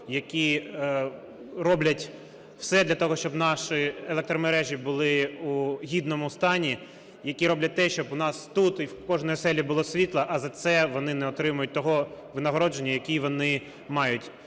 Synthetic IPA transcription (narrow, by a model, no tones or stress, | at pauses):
jɐkʲi | rɔblʲɐtʲ | wsɛd̪lʲɐt̪ɔɦɔʃt͡ʃɔbnɑʃɪelˠɛk̚t̪ɾɔmeɾɛʒʲibʊlˠɪuɦʲid̪nɔmʊst̪ɑnʲi | jɐkʲiɾɔblʲɐt̚ʲt̪ɛʃt͡ʃɔbʊnɑst̪ut̪iwkɔʒnɔjɔsɛlʲibʊlˠɔsʲʋʲit̪lˠɐʔɐzɐt̪sɛʋɔnɪnɛɔt̪ɾɪmʊjʊt̚ʲt̪ɔɦɔʋɪnɐɦɔɾɔd͡ʒe̞nʲːɐjɐkʲiʋɔnɪ | mɑjʊtʲ